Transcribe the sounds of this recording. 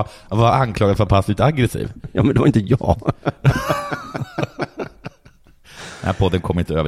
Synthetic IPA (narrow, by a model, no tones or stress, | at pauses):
vaankʰlɑːɡad̪fœaɾpʰast̪ɪt̪aɡɾɛsḭːvjɑ̰ːmɛnd̪ɛvaɾɪnt̪əjɑː | d̪ɛnhæɾpʰɔd̪ːənkʰɔmːɪnt̪əøːv